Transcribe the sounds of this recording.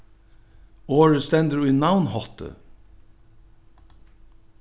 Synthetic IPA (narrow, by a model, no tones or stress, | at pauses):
ɔɹəst̪ænd̪əɹwɪnaʊnhɔt̪ə̰